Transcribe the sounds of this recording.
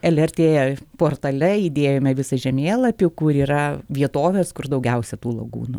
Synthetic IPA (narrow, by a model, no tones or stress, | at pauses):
ɛlʲɛrʲt̪ʲeːpoːrt̪ɐlʲɛid̪ʲeːjoːmʲɛʋʲɪsɐʒʲɛmʲeːlˠɐpʲɪkʊɾiːɾɐʋʲiɛt̪oːʋʲeːskʊrd̪ɐʊɡʲɛʊsʲɛt̪uːlˠɐɡṵːnʊ